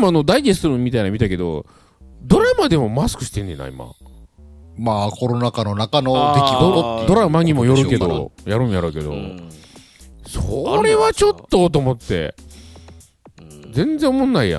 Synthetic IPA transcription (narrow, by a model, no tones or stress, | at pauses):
mano̞d̪aid̪esɾɯ̃mʲːit̪ainamʲit̪ake̞d̪o̰ | d̪o̞ɾamad̪e̞mo̞masɨ̥kɯ̟ɕi̥t̪ẽ̞nd̪ḛna̰ḭma̰ | maːkoɾonakanonakanod̪ek̪ʲod̪o̞ɾamaɲ̟imo̞jo̞ɾɯ̟ke̞d̪o̞̰jaɾɯ̟̃ɰ̃jaɾoːke̞d̪o̞̰ | soɾe̞βat͡ɕo̞t̪ːot̪̬omot̪ːe̞̰ | d͡zẽ̞nd͡zẽ̞omõ̞nːaija̰